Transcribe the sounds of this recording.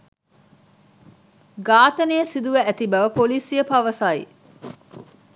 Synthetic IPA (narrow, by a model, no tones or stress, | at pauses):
ɡaːt̪ɐneəsid̪uʋæʔæt̪ibɐʋɐpoliːsijəpɐʋɐsaːḭ